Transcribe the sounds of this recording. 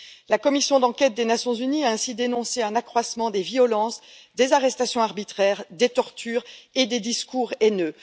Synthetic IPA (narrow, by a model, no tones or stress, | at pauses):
lakɔmisjɔ̃d̪ɑ̃kʲɛt̪̚d̪enasjɔ̃zyniaɛ̃sid̪enɔ̃seɛ̃nakχwasmɑ̃d̪eviɔlɑ̃s | d̪ezaʁɛst̪asjɔ̃aʁbit̪χɛʁd̪et̪ɔʁt̪yːʁed̪ed̪iskuʁenø